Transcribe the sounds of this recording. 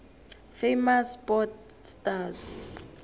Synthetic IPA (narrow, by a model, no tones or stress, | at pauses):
fejmaspɔt | staz